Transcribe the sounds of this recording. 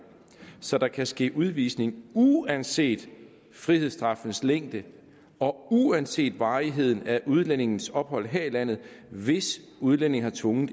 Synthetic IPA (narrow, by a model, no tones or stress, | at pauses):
sɒ̽d̥ɑ̈kʰæsɡ̥e̝̰ːʔuð̞ˠʋiːsne̝ŋuænse̝̰ːd̥ | fʁiheðˠsd̥ʁɑ̈fn̩sleŋ̰d̥ə | ɒ̽uænse̝̰ːd̥ʋɑ̈ːiɦe̝ð̞̰ˠn̩æʔuð̞ˠlene̝ŋn̩sɒ̽b̥hɒ̽l̰ɦeɐ̰ilæn̰ð̩ˠʋe̝s | uð̞ˠlen̰e̝ŋhɑ̈t͡sʰʋɔ̽ŋð̩ˠ